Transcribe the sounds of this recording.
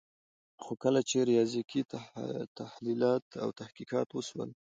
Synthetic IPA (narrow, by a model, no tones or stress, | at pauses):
xokəlat͡ʃeɾijɑzikitt̪ahlilɑt̪a̰wt̪ahkikɑt̪wəswə̰l